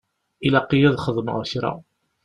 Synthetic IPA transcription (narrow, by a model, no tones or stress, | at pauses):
ilæqːijæðχəðˤmə̰ʁçɾa̰